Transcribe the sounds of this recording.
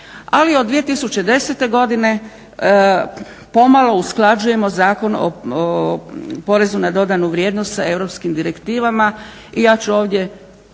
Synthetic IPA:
aliod̪ʋijet̪isut͡ɕe̞d̪e̞set̪e̞ɡo̞d̪ine̞ | po̞malˠo̞usklˠad͡ʒuje̞mo̞zaːko̞no̰ | po̞ɾe̞zunad̪o̞d̪anuʋɾje̞ːd̪nost̪sae̞ʋɾo̞pskimd̪iɾe̞kt̪iːʋama | ijaːt͡ɕuo̞ːʋd̪je̞

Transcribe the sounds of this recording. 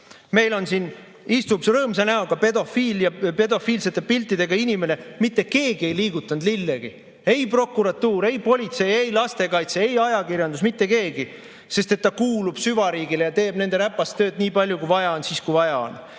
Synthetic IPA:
me̞jlo̞nsin | ist̪upsrɤːms̬ɑnæoɡ̥ɑpe̞d̪o̞fiːljɑpe̞d̪o̞fiːlse̞t̪ːˑe̞pilt̪ːˑid̪e̞ɡ̥ɑinʲime̞ne̞mit̪ːe̞ke̞ːɡie̞jliːɡut̪ːˑɑnd̪lilːeɡ̥i | e̞jpro̞kːˑuɾɑt̪ːuːɾe̞jpo̞lʲit̪se̞jejlɑst̪e̞kɑjt̪seejɑjɑkirjɑnd̪usmit̪ːe̞ke̞ːɡi | se̞st̪e̞t̪ːɑkuːlub̥syvɑɾiːɡile̞jɑt̪e̞ːb̥ne̞nd̪e̞ɾæpːɑst̪ːø̞ːd̪nʲiːpɑlʲjukujvɑjɑonsiːskujvɑjɑo̰n

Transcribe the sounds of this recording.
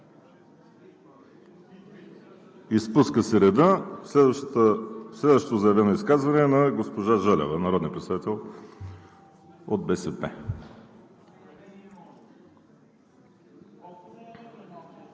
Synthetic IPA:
ispuskəsɛɾɛd̪ə | slɛd̪vəʃt̪ot̪ʊzɐɛvɛnoiskazvɐnɛnɐɡospoʒaʒəlʲɛ̰vənɐɾɔd̪niəpɾɛt̪sɛd̪at̪ɛlˠ | od̪̚bɛsɛpɛ̰

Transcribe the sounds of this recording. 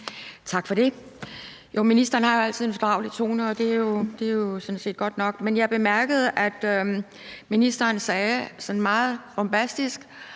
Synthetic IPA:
t͡sʰɑ̈ɡ̥fɒ̽d̥e̝ | jominisd̥ɐnhɑ̈jo̝æl̰t͡sʰið̰ˠenfɒd̥ʁɑ̈ʊlit͡sʰo̝̰ːnəɒ̽d̥e̝æjo̝d̥e̝jo̝sɔ̽nse̝̰ːd̥̚ɡ̥ɒ̽d̥nɒ̽ɡ̥menjɑ̈b̥e̝mæɐɡ̥əð̞̩ˠʔæd̥ø | minisd̥ɐːnsɛːsɒ̽n̩mɑ̈ːð̞̩ˠb̥ɒmb̥æsd̥isɡ̥

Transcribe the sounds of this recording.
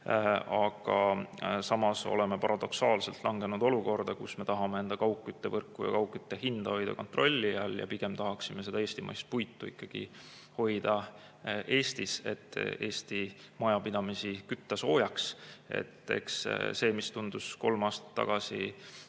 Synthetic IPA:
ɑɡ̥ɑsɑmɑso̞̰le̞mepɑɾɑd̪̥o̞ksɑːlse̞lt̪ˑlʔɑŋɡ̥e̞nud̪o̞luko̞rd̪ɑkṵsme̞t̪ɑɦɑme̞e̞nd̪̥ɑkɑwkːˑyt̪ːevɤrkːˑujɑ̰kɑwkːˑyt̪ːe̞hind̪̥ɑho̞jd̪̥ɑ̰ko̞nt̪ro̞lʲːiɑljɑ̰piɡ̥e̞mt̪ɑɦɑksime̞s̬e̞d̪ɑe̞ːsʲt̪imɑ̰jst̪̚pujt̪ːuikːˑɑɡ̥ḭ | ho̞jd̪̥ɑ | ʔe̞ːst̪ise̞̰t̪ːˑe̞ːst̪i | mɑjɑpid̪̥ɑmisikyt̪ːɑso̞ːjɑksḛt̪ːe̞̰ksse̞ːmist̪und̪usko̞lmɑːst̪ɑ̥t̪ːɑ̰ɡ̥ɑsi

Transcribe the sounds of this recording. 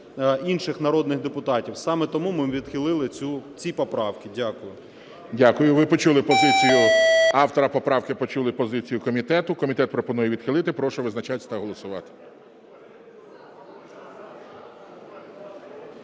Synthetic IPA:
inʃɪxnɐɾɔd̪nɪxd̪epʊt̪ɑtʲiwsɑmɛt̪ɔmumɪʋʲid̪xɪlˠɪlˠɪut͡sʲipɔpɾɑwkɪdʲakʊjʊ | dʲakʊjʊʋɪpɔt͡ʃulˠɪpɔzɪt͡sʲijʊɑwt̪ɔɾɐpɔpɾɑwkɪpɔt͡ʃulˠɪpɔzɪt͡sʲijʊkɔmʲit̪ɛt̪ʊkɔmʲit̪ɛt̪̚pɾɔpɔnujɛʋʲid̪̥xɪlˠɪt̪ɪpɾɔʃʊʋɪznɐt͡ʃatʲt̪ɐɦɔlˠɔsʊʋɑ̰t̪ɪ̥

